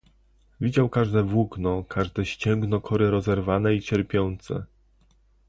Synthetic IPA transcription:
vʲid͡ʑawkaʐd̪ɛvwuɡnɔkʰaʐd̪ɛɕt͡ɕɛŋɡnɔkʰɔɾɘɾɔzɛɾvanɛit͡ɕɛɾpʲjɔnt̪sɛ̰

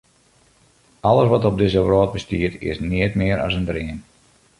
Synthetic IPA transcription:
ɑləsʋɔtɔb̚dɪzəʋroːt̚bəstiətɪ̰snɪətmɪəɾɑ̰səndrɪən

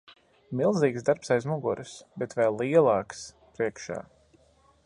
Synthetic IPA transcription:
milˠziːkzd̪aɾpsajzmuɡuɾɨsbɛt̪vɛjlːiɛlˠɑːks | pɾiɛkʃa̰ː

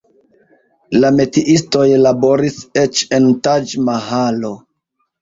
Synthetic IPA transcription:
lame̞tiʔisto̞jlabo̞ɾiset͡ʃe̞ntad͡ʒmaɦalo̞

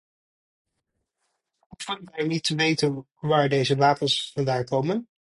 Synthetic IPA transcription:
ɔfɔrtɛɹnitəʋejtən | ʋaːɹdejzəʋaːpənsfɑndaːŋkowmən

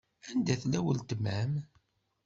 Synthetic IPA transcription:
ænd̪æθlæwəlt̪əmæm

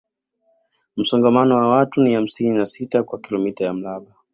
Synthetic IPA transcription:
m̩sɔŋɡamanɔwawatuniham̩sininasitakwakilɔmitajam̩laɓa

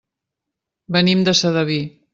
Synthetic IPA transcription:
bənimd̪əsəðəβi

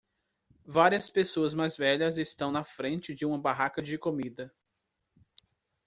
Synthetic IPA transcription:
vaɾiɐspesoɐzmajzvɛʎɐzɪst̪ɐ̃w̃nɐfɾẽnt͡ʃɪd͡ʒɪũmɐbaɦakɐd͡ʒɪkomid̪ɐ

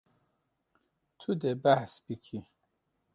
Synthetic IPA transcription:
t̪ʰud̪ebaħsbikʰi

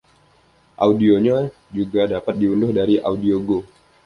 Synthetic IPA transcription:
ʔa̰udioɲa | d͡ʒuɡadapat̪̚diulʊhdaɾiʔa̰udioɡo

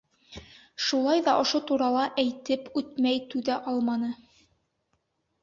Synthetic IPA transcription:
ʃulˠɑjðɑʔŏʃot̪uɾɑlˠɑʔæjt̪ɘpʉt̪mæjt̪ʉðæʔɑlˠmɑnɤ

